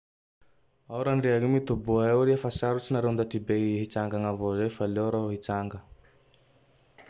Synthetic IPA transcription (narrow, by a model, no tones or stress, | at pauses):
awɾaɳɖ͡ʐeaɡimit̪ubuaewɾiafasaɾut͡sinaɾewnd̪at̪ibeɦit͡saŋɡaŋavozefaleɾaɦit͡saŋɡə